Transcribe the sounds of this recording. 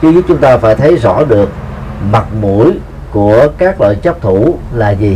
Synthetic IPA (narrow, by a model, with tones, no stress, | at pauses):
t͡ɕɨ˧˦zu˦˥t̚t͡ɕʊ˦ŋ͡mt̪aː˧faː˧˦jt̪ʰə˨˦jzɔ̰˧˥ɗɨ˨˩ək̚ | ma˨˩t̚mṵ˧˩əj | ku˧˩əkaː˦˥k̚lɔ̰ː˧˨jt͡ɕə˦˥k͡p̚t̪ʰu˧˩laː˨˩zi˨˩